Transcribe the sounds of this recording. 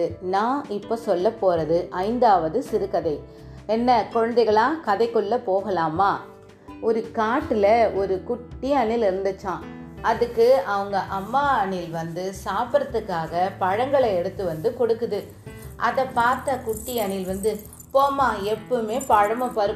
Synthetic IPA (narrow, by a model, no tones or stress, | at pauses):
ɯnãːɪpːoːsɔlːɐpːoːɾɐðɯʔɐɪnd̪aːʋɐðɯsɪɾɯkɐðɐɪ | ɛnːɐkɔɻɐnd̪ɐɪɣɐɭãːkɐðɐɪkːɔɭːɐpoːɣɐlaːmaː | ɔɾɯkaːʈːɪlɐɔɾɯkʊʈːɪɐnɪlɪɾɯnd̪ɯt͡ʃːãː | ɐðɯkːɯɐʋɐŋɡɐʔɐmːaːɐɳɪlʋɐnd̪ɯsaːpɾɐt̪ːɯkːaːɣɐpɐɻɐŋɡɐɭɐɛɽɯt̪ːɯʋɐnd̪ɯkɔɽɯkːɯðɯ | ʔɐðɐpaːɾt̪akʊʈːɪɐɳɪlʋɐnd̪ɯ | poːmaːɛpːɐmeːpɐɻɐmɐpɐɾɯ